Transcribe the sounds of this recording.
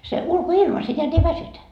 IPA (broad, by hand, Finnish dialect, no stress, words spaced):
se ulkoilmɑ se neæt ei ʋæsytæ